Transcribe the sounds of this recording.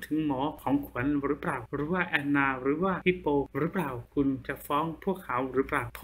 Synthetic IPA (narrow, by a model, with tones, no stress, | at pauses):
t̪ʰɯ˩˦ŋmɔː˩˦kʰɔː˩˦ŋkʰu˩˦ənɾɯː˨˦˥pɾaː˨˩wɾɯː˩˦waː˥˩ʔɛː˧nːaː˧ɾɯː˩˦˥waː˥˩hi˧˩poː˧ɾɯː˦˥plaː˨˩wkʰu˧nt͡ɕa˨˩fɔː˦˥ŋpʰu˥˩əkʰːa˩˦wɾɯː˨˦˥plaː˨˩wʰ